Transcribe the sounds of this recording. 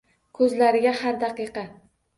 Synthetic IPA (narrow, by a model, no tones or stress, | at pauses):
kʰɵzlaɾɪɡʲahaɾd̪aqɨqɑ